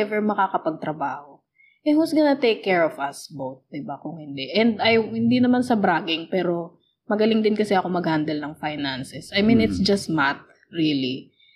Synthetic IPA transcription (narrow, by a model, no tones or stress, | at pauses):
ɛvɛɹmɐkakɐpɐɡ̚t̪ɾɐbaːho̞ | ʔɛhusɡɐnɐt̪ejkːɛɹɔvɐsbowt̪̚d̪ɪbakʊŋhɪnd̪ɛʔɛnd̪ɐjŋhɪnd̪inɐmansɐbɾaːɡɪŋpɛːɾo̞ | mɐɡɐlɪŋd̪ɪnkɐsɛʔɐko̞mɐɡhand̪ɛlnɐŋfajnansɛsʔɐjmĩnɪt̪sd͡ʒɐst̪̚mat̪̚ | ɹili